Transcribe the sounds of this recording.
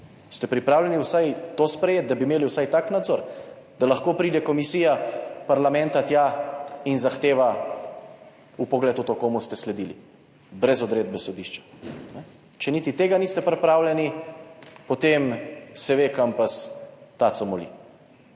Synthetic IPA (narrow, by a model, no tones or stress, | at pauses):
st̪ɛpɾipɾaːwlʲɛniwsajt̪oːspɾɛjeːt̪̚d̪abimeːliwsajt̪aknad̪zoɾ | d̪̥alɐxkoːpɾiːd̪ɛkɔmisiːjapaɾlamɛ̃nt̪at̪jainzaxt̪eːʋa | upɔɡlɛːt̪ot̪okoːmust̪ɛslɛd̪ilḭ | bɾɛzɔd̪ɾed̪̚bɛsɔd̪iʃt͡ʃḁnɛ | t͡ʃɛnit̪it̪eːɡaniːst̪ɛpɾɛpɾawlʲɛni | pɔt̪emsɛʋekampast̪at̪sɔmɔlḭ